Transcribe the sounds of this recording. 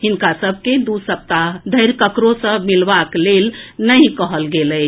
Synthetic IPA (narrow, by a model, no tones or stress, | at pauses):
ɦinkasəbʱked̪usəp̚t̪ad̪ʱəjɾkəkɾosə̃milbaklelnəjkəɦəlɡelət͡ʃ